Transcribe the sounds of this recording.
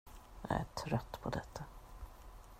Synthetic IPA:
æ̰tʰɾœt̪ːpʰɔd̪ɛt̪ʰːa

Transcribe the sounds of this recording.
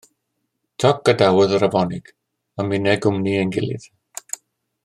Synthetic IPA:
tʰɔkədawəðəɾavɔnɪɡ̥ | aminɛɡʊmniənɡɪlɪ̰ð̥

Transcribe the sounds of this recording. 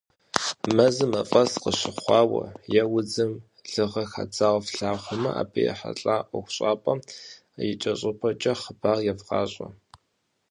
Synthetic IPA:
mɐzɨmɐfʼɐsqəɕɪχʷɑːwɐ̰jɛwʊd͡zɨm | ɮɨʁɐxa̰d͡zaːʁʷfɬaːχʷɐmɐʔa̰ːpʰijɛ̰ħa̰ɬʼaːʔʷɔxʷɕʼɑ̰ːpʼɐ | jɪt͡ʃʼɐɕʼɪpʼɐt͡ʃʼɐχəbʰaːʁjɛvʁɑ̰ːɕʷʼɐ̰

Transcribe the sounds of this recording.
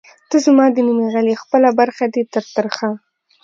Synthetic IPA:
t̪əzmɑd̪əmineɣalexpəlabaɾxad̪et̪əɾt̪əɾxa

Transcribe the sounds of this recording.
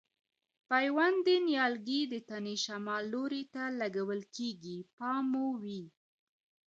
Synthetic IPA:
pajwand̪enjɑlɡid̪ət̪aneʃamɑlːoɾet̪alaɡawəlkeɡipɑmowi

